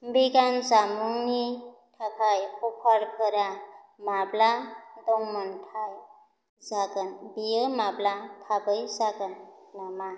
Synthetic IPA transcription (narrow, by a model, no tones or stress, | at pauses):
mbiɡanzamuŋniʈʰapʰajkʰopʰɔɾkʰɯɾa | mablad̪oŋməntʰaj | zaɡənbijɯmablat̪ʰabɯjzaɡənːama